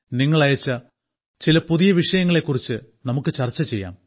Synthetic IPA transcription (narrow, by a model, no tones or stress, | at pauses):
niŋːɐɭɐjɐt͡ɕːɐ | t͡ɕilɐpuðijɐʋiʂɐjɐŋːɐɭe̞kːurit͡ɕːɨ | nɐmukːɨt͡ɕɐrt͡ɕːɐt͡ɕe̞jːa̰ːm